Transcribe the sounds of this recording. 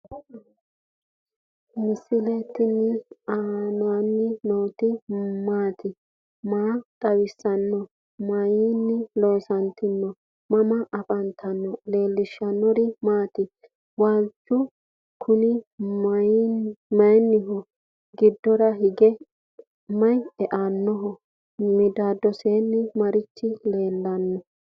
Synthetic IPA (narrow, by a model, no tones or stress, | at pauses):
mɪsɪlɛt̪ːɪnːɪaːnɔwɐnːɪnɔwt̪ɪmaːt̪ɪ | maːkʼɐwɪsːɐnːɔ | mɐjinːɪlo̞ːsɐnt̪ɪnːɔ | mɐmɐʔɐpʼɐnt̪ʰɐnːɔle̞ːlːɪʃːɐnːɔɾɪmaːt̪ɪ | waːd͡ʒʊ | kʰʊnɪ | mɐjnːɪɦʊ | ɡɪd̪ːɔɾɐhɪɡɛ | mɐjɛʔanːɔɦɔ | mɪd̪aːd̪ɔseːnːɪmɐɾɪt͡ʃːɪle̞ːlːɐnːɔ